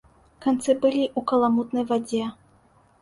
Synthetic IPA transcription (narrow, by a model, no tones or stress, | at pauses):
kant̪sɨbɨlʲiʔukɐlˠamut̪nɐjvad͡zʲɛ